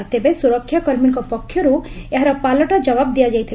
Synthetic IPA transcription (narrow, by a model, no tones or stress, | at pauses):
t̪ebesuɾɔkʰːjakɔɾmilkɔpɔkʰːjɔɾueɦaɾɔpalɔʈad͡ʒɔbab̚d̪ijad͡ʒajt̪ʰil